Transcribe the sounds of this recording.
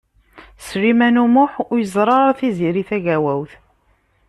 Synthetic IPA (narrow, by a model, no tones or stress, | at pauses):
sɾimænumʊħʊjəzˤɾˤɑɾˤθiziɾiθæʝæwæwθ